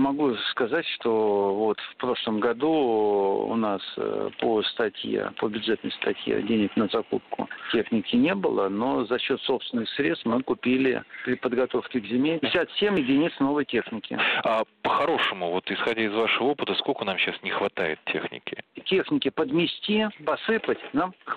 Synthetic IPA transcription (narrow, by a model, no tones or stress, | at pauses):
mɐɡuskɐzatʲʂt̪o̞vo̞t̪fpɾo̞ʂlˠəmɡɐd̪u | ʊ̰naspost̪ɐtʲjḛpəbʲʊdʐɛt̪nəjst̪ɐtʲjḛdʲenʲɪknəzɐkup̚kʊ̰tʲe̞xnʲɪkʲɪnʲebɨlˠəno̞zɐɕːo̞t̪so̞psvʲɪnɨxsɾʲet̪st̪mɨkʊpʲilʲɪ̰pɾʲɪpəd̪ɡɐt̪o̞fkʲɪɡzʲɪmʲeɪsʲat̪sʲemjɪdʲɪnʲit̪səno̞vəjtʲe̞xnʲɪkʲɪ̰apəxɐɾo̞ʂəmʊvo̞t̪ɪsxɐdʲaɪzvaʂəvəopət̪əsko̞lʲkənamɕasnʲɪxvɐt̪ajɪ̰t̪̚tʲe̞̰xnʲɪ̰kʲɪtʲexnʲɪkʲɪpəd̪mʲɪsʲtʲipɐsɨpətʲnam